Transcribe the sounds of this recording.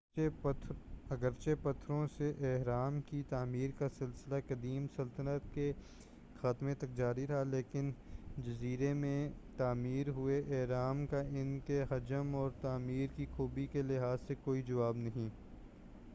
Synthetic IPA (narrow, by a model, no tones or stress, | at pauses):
ɐɡəɾt͡ʃepɐt̪ʰːɾõseʔɛɦɾaːmkit̪aːmiːɾkasɪlsɪlakɐd̪iːmsɐlt̪ənət̪ke | xaːt̪mẽt̪ɐk̚d͡ʒaːɾiɾɦaleːkɪnd͡ʒɐziːɾemẽt̪aːmiːɾɦʊeʔɛɦɾaːmkaʔɪnkeɦɐd͡ʒəmɔːɾt̪aːmiːɾkixuːbikelɪɦaːzsekoːid͡ʒɐʋaːbnɐɦĩː